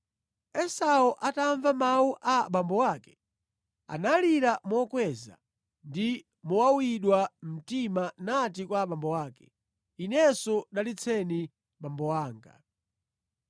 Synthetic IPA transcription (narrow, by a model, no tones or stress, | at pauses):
ɛsaɔʔataɱvamawuʔaɓambɔwaːkɛ̥ | a̰naliɾamɔkwɛza̰ | ndi | mɔwawiɗwam̩timanat̬ikwaɓambɔwaːkɛ̥ | inɛsɔɗalit͡sʰɛni | ɓambɔwaːŋɡa̰